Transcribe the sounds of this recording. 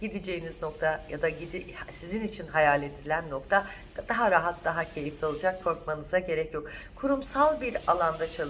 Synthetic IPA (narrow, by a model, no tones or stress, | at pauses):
ɟid̪id͡ʒe̞jinizno̞kt̪ʰajad̪aɟid̪ihsizinit͡ʃʰinɦajaːlʲed̪ilʲænːo̞kt̪ʰa | d̪aɦaɾaɦat̪̚d̪aɦacʰe̞jift̪ʰolˠɯd͡ʒak̚kʰo̞ɾkmanɯzaɟe̞ɾɛcjo̞k | kʰuɾumsalˠbiɾalˠand̪at͡ʃʰalˠ